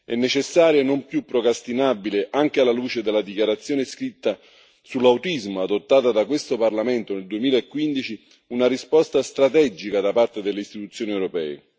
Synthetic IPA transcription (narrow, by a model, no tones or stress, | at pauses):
ɛ̰nːet͡ʃesːaːɾjanompjupːɾokɾast̪inabileʔaŋk̟ealːaluːt͡ʃed̪elːad̪ikjaɾat̪sːjoːneskɾit̪ːa | sulːawt̪izmoad̪ot̪ːaːt̪ad̪akwest̪oparlament̪oneld̪uemiːlaekːwind̪it͡ʃi | unarispɔst̪ast̪ɾat̪ɛd͡ʒikad̪apart̪ed̪elːeist̪it̪ut̪sːjoːniewɾopɛ̰ːḛ